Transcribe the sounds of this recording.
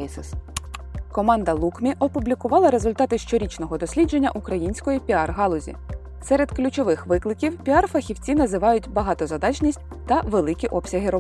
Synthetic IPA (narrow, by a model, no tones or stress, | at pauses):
kɔmɑnd̪ɐlˠukmʲiʔɔpʊblʲikʊʋɑlˠɐɾe̞zʊlʲt̪ɑt̪ɪʃt͡ʃɔɾʲit͡ʃnɔɦɔd̪ɔsʲlʲid͡ʒe̞nʲːɐ̰ʔukɾɐjinʲsʲkɔjipʲiɑrɦɑlˠʊzʲḭ | sɛɾe̞d̪klʲʊt͡ʃɔʋɪxʋɪklˠɪkʲiwpʲiɑrfɐxʲiwt͡sʲinɐzɪʋɑjʊt̚ʲbɐɦɑt̪ɔzɐd̪ɑt͡ʃnʲisʲtʲ | t̪ɐʋelˠɪkʲiʔɔpsʲɐɦɪɾɔ